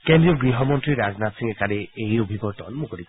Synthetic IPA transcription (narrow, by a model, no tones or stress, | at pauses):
kẽndɹiɔɡɹiɦɔmɔntɹiɹaznatsiŋɛkanɛejobʱibɔtɔ̰nmukoɾik